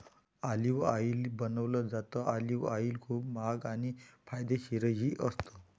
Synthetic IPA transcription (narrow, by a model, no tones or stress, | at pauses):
aliʋailbənəʋləd͡zat̪əʔaliʋailkʰuːpmaɡañifʰajd̪eɕiɾəɦiːʔəst̪ə